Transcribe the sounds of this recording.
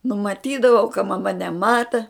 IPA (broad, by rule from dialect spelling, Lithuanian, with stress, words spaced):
nʊmɐˈtʲiːdɐʋɐʊ kɐ mɐˈmɐ nʲɛˈmɑːtɐ